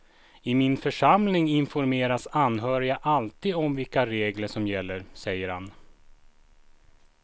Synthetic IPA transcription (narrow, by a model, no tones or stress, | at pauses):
ɪmɪnfœʂamlɪŋɪnfɔɾmeːɾasanːɦœːɾɪaʔalt̪iːd̪ɔmvɪlkaɾeːɡləʂɔmjɛlːəɾsɛjːəɾhan